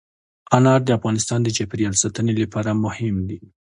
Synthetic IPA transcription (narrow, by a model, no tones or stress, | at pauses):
anɑɾd̪əafɣɑnɪst̪ɑnd̪ət͡ʃapɾiɑlsat̪ənelapʰɑɾamʊhɪmd̪i